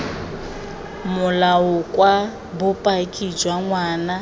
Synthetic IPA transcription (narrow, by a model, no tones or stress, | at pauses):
mʊlaʊkʼwa | bʊpʼakʼid͡ʒwaŋwaːna